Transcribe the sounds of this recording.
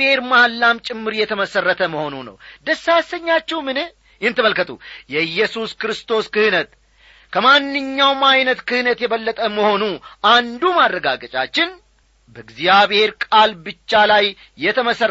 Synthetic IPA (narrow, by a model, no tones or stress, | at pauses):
he̞ɾmalːamt͡ʃʼɪmːɨɾjɛt̪ʰəməsərːət̪ʰəməho̞nunə̰wd̪əsːasəɲːat͡ʃːɛwmɨnɨ | jɛnt̪ɨməlkət̪ʰṵjɛɨjːɛsuskɨɾɨst̪ʰo̞skɨhɨnət̪ | kʰəmanːɨɲːawmajnət̪kʰɨhɨnət̪jɛβəlːət̪ʼəməho̞nuand̪umarːəɡaɡət͡ʃʼa̰t͡ʃːɪn | bəɨɡzijaβhe̞ɾkʼalbɨt͡ʃːalajː | ɛt̪ʰəməsər